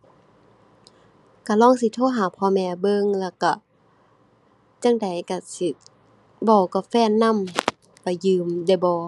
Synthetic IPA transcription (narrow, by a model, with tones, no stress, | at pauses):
ka˧˩lɔː˧˥˨ŋsi˧˦t̪ʰoː˧˥˨ɦaː˨˩˦pʰɔː˧˨mɛː˧bɤ˧˨ŋlɛ˧˩ka˧˩ | t͡ɕa˧˥˨ŋda˨˦jka˧˩si˧ | bɔː˧˩kɔ˧˩fɛː˧˨nːa˧˥˨m | ka˧˩jɯː˧˨mda˧˩˨jbɔː˧˦